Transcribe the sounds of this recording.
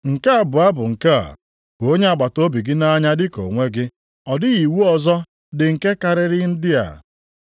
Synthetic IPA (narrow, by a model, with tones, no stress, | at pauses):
ŋ̩˨ka˦a˨bʊ˨a˦bʊ˨ŋ̩˨ka˦a̰˨ | ko˦ɲe˦a˨ɡ͡ba˨to˦bi˨ɡɪ˦na˦ɲa˦dɪ˦ko̰˨ŋʷe˦ɡɪ˦ | ɔ˨dɪ˦i˨wu˦ɔ˨zɔ˦ | dɪ˨ŋ̩˨ke˦ka˨ɾɪ˦ɾɪ˦n̩˦dɪ˦a̰˨